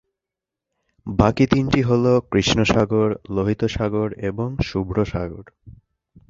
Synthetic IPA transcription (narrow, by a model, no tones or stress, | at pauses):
bakit̪inʈiɦolokɾiʃnoʃaɡoɾloɦit̪oʃaɡoɾeboŋʃubɾoʃa̰ɡoɾ